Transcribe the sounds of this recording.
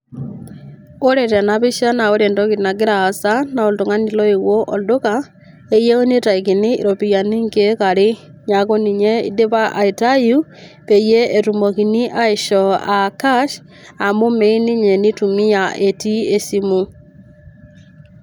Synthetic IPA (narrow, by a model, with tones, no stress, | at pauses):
o˦ɾe˨ta˨naβi˦ʃa˦na˨o˦ɾe˨ndo˦ki˨na˨ɡe˦ɾaː˨sa˦na˨o˨nto˨ŋa˦ni˦lɔ˦e˨ɣwo˦ʔo˨do˦ka˦ | e˦je˦o˦ni˦ta˨i˨ki˨ni˦ḭ˨ɾo˨pi˨ja˨ni˦ŋɡe˦kaɾe˦ | ɲa˨ko˦ni˨ɲe˦ḭ˦de˦βa˦ʔa˨i˨ta˦ju˦ | pe˨je˦ʔːtu˨mo˨ki˨ni˦ʔa˦e˨ʃɔa˨ka˦ʃ | a˨mo˦me˦i˦ni˦ɲe˨ni˦tu˨mi˦jaʔe˨ti˦e˦si˦mu˦